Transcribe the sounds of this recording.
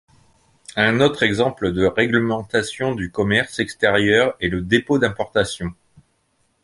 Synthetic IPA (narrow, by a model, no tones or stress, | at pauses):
ɛ̃not̪χɛɡzɑ̃pləd̪əʁɛɡləmɑ̃t̪asjɔ̃d̪ykɔmɛʁsɛkst̪ɛʁjœʁɛləd̪epod̪ɛ̃pɔʁt̪asjɔ̃